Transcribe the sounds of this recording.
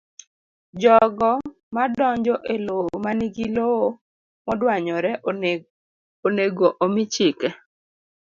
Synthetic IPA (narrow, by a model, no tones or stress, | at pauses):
d͡ʒɔɡɔ | madɔɲd͡ʒɔʔelomaniɡiloo | mɔdwaɲɔɾɛ | oneɡoʔomɪt͡ʃɪkɛ